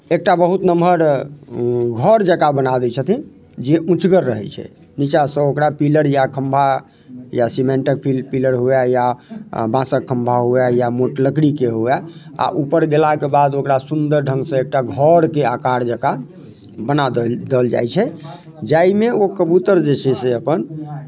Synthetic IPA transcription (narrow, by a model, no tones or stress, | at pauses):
ek̚ʈabəɦut̪nəməɾ | ɡʱəɾd͡ʒəkabənad̪ɛt͡ʃʰət̪ʰi | d͡ʒeʔũt͡ʃɡəɾːəɦɛ̰t͡ʃʰɛ̰ | nit͡ʃasə̃okɾapiləɾjakʰəmbʱa | jasimẽɳʈək̚pʰilpiləɾɦuɛjabãsəkʰːəmbʱaɦuɛjamoʈləkɽikeɦuaa̰ʔupəɾɡelakebad̪okɾasund̪əɾɖʱə̃ŋɡsə̃ek̚ʈaɡʱəɾkeakaɾd͡ʒəka | bənad̪d̪eld͡ʒa̰jt͡ʃʰɛ | d͡ʒaimeokəbut̪əɾd͡ʒet͡ʃʰɛseəpən